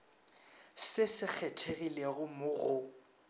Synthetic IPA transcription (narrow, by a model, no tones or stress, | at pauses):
sɪsɪk͡xʰɛtʰeɣileɣʊmʊɣʊ